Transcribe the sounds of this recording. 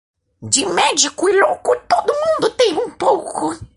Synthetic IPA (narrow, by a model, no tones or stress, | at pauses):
d͡ʒɪmɛd͡ʒikʊɪlokʊt̪od̪ʊmũnd̪ʊt̪ẽj̃ũpowkʊ